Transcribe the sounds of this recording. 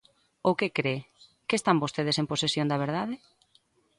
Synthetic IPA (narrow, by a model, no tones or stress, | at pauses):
okekɾe | kest̪ambost̪eð̞esemposesjõnd̪ɐβ̞eɾðaðɪ